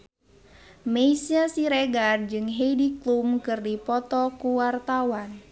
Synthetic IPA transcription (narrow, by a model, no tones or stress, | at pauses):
meisiasiɾeɡand͡ʒɨŋɦejdiklumkɨrdipɔt̪ɔkuwart̪awan